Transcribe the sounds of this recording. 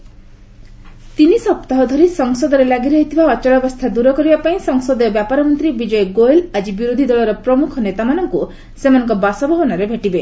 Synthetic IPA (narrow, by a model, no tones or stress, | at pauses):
t̪inisɔpt̪aɦɔd̪ʱɔɾisɔŋsɔd̪ɔɾelaɡiɾɔɦit̪ʰibʱaɔt͡ʃɔɽɔbɔst̪ʰad̪uɾɔkɔɾibapaĩsɔŋsɔd̪ɔjɔbjapaɾɔmɔnt̪ɾibid͡ʒɔjeɡoelad͡ʒibiɾod̪ʱid̪ɔɭɔɾɔpɾɔmukʰɔnet̪amanɔŋku | semanɔŋkɔbasɔbʱɔɦɔnaɾebʱeʈibe